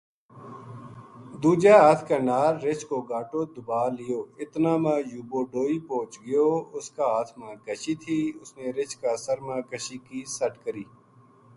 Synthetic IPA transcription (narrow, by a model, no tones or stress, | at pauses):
d̪uːd͡ʒaːaːt̪ʰkaːnaːɾːɪt͡ʃkoːɡaːʈoːd̪ʊbaːlɪjoːɪt̪nãːmãːjuːboːɖoːiːpõːt͡ʃɡɪjoːʊskaːaːt̪ʰmãːɡəʃit̪ʰiːʊsneɾɪt͡ʃkaːsəɾmãːkəʃiːkisəʈkəɾiː